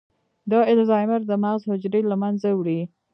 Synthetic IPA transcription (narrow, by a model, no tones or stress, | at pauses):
d̪əɪlzɑjməɾd̪əmaɣzhʊd͡ʒɾelamanzawɽi